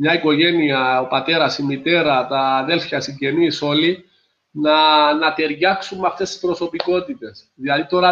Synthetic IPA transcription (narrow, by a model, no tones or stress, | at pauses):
mɲɐiko̞ʝe̞niɐopɐt̪e̞ɾɐsimit̪e̞ɾɐt̪ɐðe̞lfjɐsiɲɟe̞niso̞li | nɐnɐt̪e̞ɾʝɐksumːeɐft̪e̞st̪i̥spɾo̞so̞piko̞t̪it̪e̞s | ðilɐðit̪o̞ɾɐ